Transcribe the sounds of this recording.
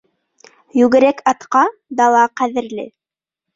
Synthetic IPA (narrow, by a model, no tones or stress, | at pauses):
jʉɡɘ̆ɾækʰɑt̪qɑd̪ɑlˠɑqæðɘ̆ɾlɘ̰